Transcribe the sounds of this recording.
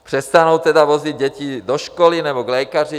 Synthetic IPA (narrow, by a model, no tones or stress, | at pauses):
pr̝̥ɛst̪anuːt̪ɛd̪aʋɔziɟ̚ɟɛcid̪ɔʃkɔlinɛbɔɡlɛkari